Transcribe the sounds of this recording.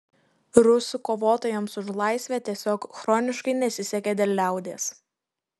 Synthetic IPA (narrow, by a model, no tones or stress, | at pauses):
ɾʊsʊkoːʋoːt̪oːjɛmsʊʃlˠɑˑɪsʲʋʲɛt̪ʲiɛsʲoːkxɾɔːnʲɪʃkɐɪnʲɛsʲɪsʲɛkʲɛd̪ʲɛlʲlʲæˑʊd̪ʲeːs